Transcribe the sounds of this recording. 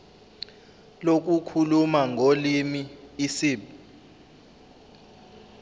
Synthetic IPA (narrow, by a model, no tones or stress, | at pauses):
lok̬ukʰulumaŋʱolimiːsiːɓ